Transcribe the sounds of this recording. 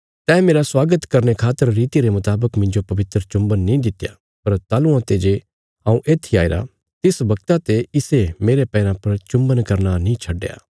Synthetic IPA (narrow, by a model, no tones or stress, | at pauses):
t̪ɛːmeːɾaswaːɡət̪kɐɾnekʰaːt̪ːəɾːiːt̪iɾemʊt̪aːbəkmɪ̃ɲd͡ʒopɐʋɪt̪ɾət͡ʃʊ̃mbənːĩd̪ɪt̪ja̰ | pɐɾt̪aːlũãt̪ed͡ʒe | ãːũʔeːt̪ʰːiaːeɾa̰ | t̪ɪsbɐkt̪at̪eɪsemeːɾepɛːɾãpɐɾt͡ʃʊ̃mbənkɐɾnanĩt͡ʃʰɐɖːja̰ː